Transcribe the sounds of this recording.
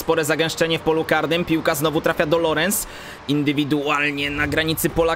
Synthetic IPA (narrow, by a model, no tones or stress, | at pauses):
spɔɾɛzaɡɛ̃w̃ʂt͡ʂɛɲɛfpɔlukaɾnɘmpʲiwkaznɔvut̪ɾafʲjad̪ɔlɔɾɛns | ind̪ɘvʲid̪ualɲɛnaɡɾaɲit̪sɘpɔla